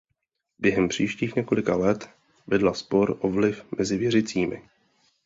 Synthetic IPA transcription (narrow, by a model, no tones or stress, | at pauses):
bjɛɦɛmpr̝̥iːʃciːxɲɛko̞lɪkalɛt̪ | vɪdlaspo̞ɾʔovlɪfmɛzɪvjɛrɪt͡siːmɪ̰